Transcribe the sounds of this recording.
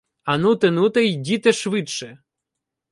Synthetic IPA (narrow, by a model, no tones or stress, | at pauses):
ɐnut̪ɪnut̪ɛjdʲit̪ɛʃʋɪtʃɛ